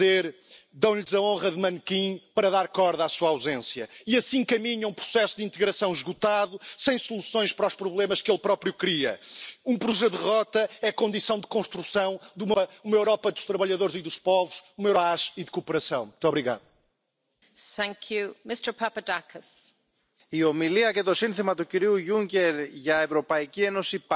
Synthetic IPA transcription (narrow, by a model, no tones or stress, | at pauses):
eɾd̪ɐ̃w̃ʎzɐõʁɐðɨmɐnkĩpɐɾɐðaɾkɔɾðasuawzẽsjɐiɐsĩkɐmiɲɐ̃ũpɾu̥sɛsuðĩnt̪ɨɣɾɐsɐ̃w̃ʒɣut̪aðusɐ̃j̃sulˠusõj̃ʃpɐɾɔʃpɾuβlˠemɐʃkelˠpɾɔpɾjukɾiɐ̰ũpɾuʒɛðɨʁɔt̪ɐɛkõnd̪isɐ̃w̃d̪ɨkõʃt̪ɾusɐ̃w̃d̪umɐumɐewɾɔpɐðuʃt̪ɾɐβɐʎɐðoɾziðuʃpɔvuʃumɐewɾaʃiðɨkupɨɾɐsɐ̃w̃mut̪oβɾiɣa̰ðu | θæ̃ŋkʰjʉmɪstə˞pʰɐpɐdakʰəs | iomiliɐket̪osĩnθimɐt̪ukiɾiujũŋkeɾʝɐevɾopɐicienosip